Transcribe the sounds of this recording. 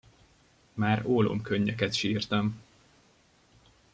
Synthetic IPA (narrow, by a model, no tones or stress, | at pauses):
maːɾoːlo̰ːmkøɲːɛkɛt̪ʃiːrt̪ɛm